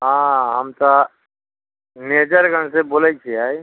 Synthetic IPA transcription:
ɦãɦəmt̪a | ned͡ʒəɾɡəñseboːlat͡ʃʰiaːj

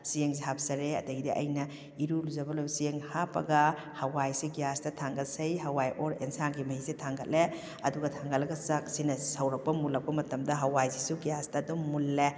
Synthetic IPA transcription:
sijeŋziɦap̚sɐɾeɐ̰dɐɡidiʔɐ̰jnɐ | iɾuluzɐbɐlowsijeŋhapɐ̰ɡɐ | hɐwajsiɡijastɐtʰaŋɡɐlsɐjɦɐwajʔoɾḛnsanɡimɐhisetʰaŋɡɐtlʔe | ɐ̰duɡɐtʰaŋɡɐtlɐɡɐsak̚sinɐsɐwɾɐk̚pɐmulɐk̚pɐmɐtɐmdɐɦɐwajzisuɡijastɐdumːulːe

